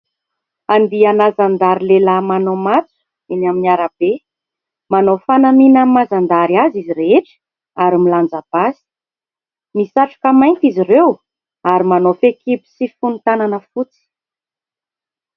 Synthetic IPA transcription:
and̪ianazand̪aɾilelamanomat͡su̥ | inaminiaɾab̥e | manofanaminəmazand̪aɾiaziziɾeeʈ͡ʂə̥ | aɾimiland͡zab̥asi̥ | misaʈ͡ʂḁkəmajnt̪izirew | aɾimanofekibi̥sifunut̪ananəfut͡si̥

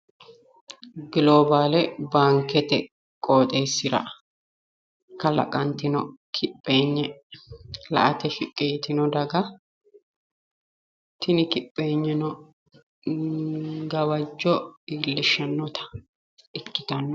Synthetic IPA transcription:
ɡloːbaːlɛbaːŋkɛt̪ɛ | kʼo̞ːt̪ʼeːsːɪɾɐ̰ | kɐlɐ̰kʼɐnt̪ɪnɔkʰɪpʼːe̞ːɲːɛ | lɐ̰ʔɐt̪ɛfɪkʼːɪjt̪ɪnɔd̪ɐɡɐ | t̪ɪnɪkɪpʼːeːɲːɛnɔ | ɡɐwɐd͡ʒːɔiːlːɪʃːɐnːɔt̪ɐ̥ | ɪkːɪt̪ɐnːɔ

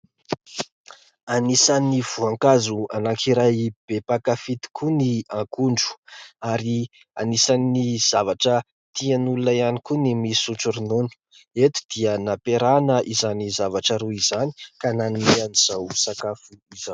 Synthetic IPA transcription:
anisaniv̥uãŋkazuanakʰiɾajb̥epakafit̪i̥kʰuniãkuɳɖ͡ʐu̥aɾi | anisanːiz̥avaʈ͡ʂə | t̪ianulunajanikunimisut͡suɾinunu̥ | et̪u̥d̪̥iənapeɾanəʔizanizavaʈ͡ʂəɾuizani̥kananimeaniz̥awsakafuizaw

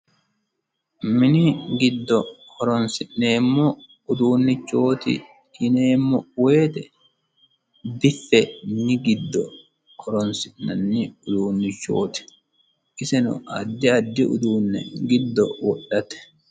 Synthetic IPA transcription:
mɪnɪɡɪd̪ːɔkʰɔɾɔnsɪʔneːmːɔ | ʊd̪uːnːɪt͡ʃːoːt̪ɪ̰ | ɪneːmːɔwe̞ːt̪ɛ | bɪfːɛnɪɡɪd̪ːɔ̰ | kʰɔɾɔnsɪʔnɐnːɪʊd̪uːnːɪt͡ʃːo̞̰ːt̪ɪ̥ | ʔɪsɛnʊ̰ɐ̰d̪ːɪɐd̪ːɪʔʊ̰d̪uːnːɛ̰ɡɪd̪ːɔwɔɗɐt̪ɛ̥

